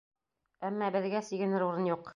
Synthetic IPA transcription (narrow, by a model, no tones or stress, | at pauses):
æmːæbɘ̆ðɡæsiɡɘ̆nɘɾuɾɤnjuq